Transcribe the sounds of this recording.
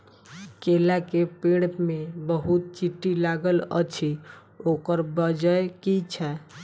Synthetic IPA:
kelakepeɽpmebəɦut̪̚t͡ʃiʈːilaɡələ̰t͡ʃʰi | okəɾbəd͡ʒəjkit͡ʃʰɛ

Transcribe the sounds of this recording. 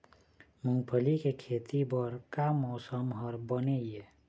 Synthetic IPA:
mũŋpʰəlikekʰeːt̪ibəɾkamɔːsəmɦəɾbəneije

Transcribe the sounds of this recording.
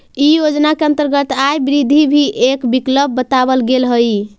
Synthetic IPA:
ijod͡ʒnakeə̃nt̪əɾɡət̪ajbiɾid̪ʱibʱiʔekbikləbːət̪aβəlɡelɦəj

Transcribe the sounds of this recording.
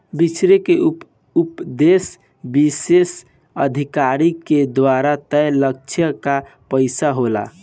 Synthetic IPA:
bit͡ʃɾeke | upd̪es | bises | əd̪ʱikaɾiked̪ʋaɾat̪əjlək̚t͡ʃʰjəka | pəɪsaɦola̰

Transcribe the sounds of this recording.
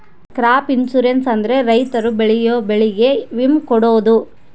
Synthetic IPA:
kɾaːpinsuɾensɐnd̪ɐɾe̞ɾɐjt̪ɐɾubeɭijoːbeɭiɡe̞ʋimkɔɽoːd̪u

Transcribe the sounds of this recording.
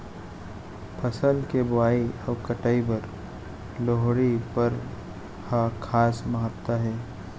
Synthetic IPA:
pʰɐsəlkebʊaːiɐʋkəʈaːibɐɾ | loɦɽipɐɾ | hakʰaːsmɐɦət̪ːaɦɛː

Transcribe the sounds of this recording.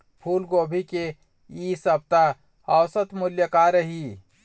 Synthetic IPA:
pʰuːlɡoːbʱike | isəb̚t̪a | ɔwsət̪mʊljəkaɾəɦi

